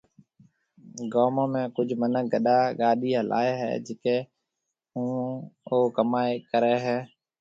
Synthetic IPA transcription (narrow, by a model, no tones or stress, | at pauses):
ɡoːmõːmẽːkʊd͡ʒʱmənək̚ɡəɗaːɠaːɗiːəlʔa̰ːeːɦɛ̰ːd͡ʒɪkeː | ɦũːoːkəmaːeːkəɾeːɦɛː